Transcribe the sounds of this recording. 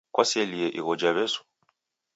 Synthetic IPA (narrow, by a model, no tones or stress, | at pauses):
kwasɛliɛʔiɣɔd͡ʒaβɛsu̥